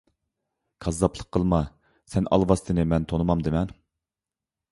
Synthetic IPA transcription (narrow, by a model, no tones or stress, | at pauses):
kʰɑzːɑpʰlˠəqʰːəlˠmɑ | sɛnɑ̰lˠvɑst̪ʰɨnɨmɛnt̪ʰonɨmɑmd̪ɪmɛn